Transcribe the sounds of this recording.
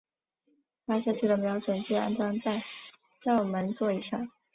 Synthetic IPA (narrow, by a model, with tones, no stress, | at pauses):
pa˥ʂɤ˥˧t͡ɕʰi˥˩d̪ə˩mjɑ˧˥ʊʂwə˨˩nt͡ɕy˥˩a̰˥nʈ͡ʂwɑ˥ŋt͡sa˥˧ɪ | ʈ͡ʂɑ˥˩ʊmə˧˥nt͡swɔ˥˩i˧˩ʂɑ˥˩ŋ